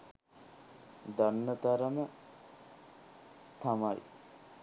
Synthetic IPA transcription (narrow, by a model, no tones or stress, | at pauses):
d̪anːət̪aɾəmə | t̪amaj